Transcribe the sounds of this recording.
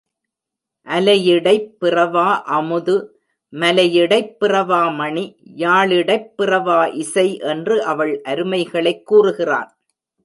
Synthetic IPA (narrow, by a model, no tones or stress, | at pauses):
ʔɐlɐjɪɽɐɪpːɪrɐʋaːʔɐmɯðɯ | mɐlɐjɪɽɐɪpːɪrɐʋaːmɐɳijaːɭɪɽɐɪpːɪrɐʋaːʔɪsɐɪʔɛndrɯʔɐʋɐɭʔɐɾɯmɐɪɣɐɭɐɪkːuːrɯɣɪra̰ːn